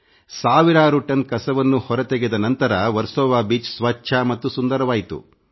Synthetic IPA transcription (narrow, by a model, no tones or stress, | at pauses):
saːʋiɾaːɾuʈɐnkɐsɐʋɐnːuhɔɾɐt̪eɡed̪ɐnɐnt̪ɐɾɐʋɐɾsɔːʋaːbiːt͡ʃsʋɐt͡ʃːʃʰɐmɐt̪ːusund̪ɐɾɐʋaːjit̪ṵ